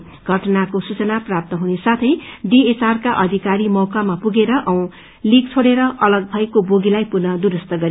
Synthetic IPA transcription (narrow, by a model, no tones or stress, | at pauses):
ɡ̥ʱʌʈʌnakosut͡sʌnaprap̚t̪ʌɦunesat̪ʰʌjɖiet͡sarkaʔʌd̪ʱikaɾimʌwkamapuɡeɾʌʔʌw̃ | lik̚t͡sʰoɽeɾʌʔʌlʌɡ̚bʱʌjkoboɡilajpunʌd̪uɾʌst̪ʌɡʌɾi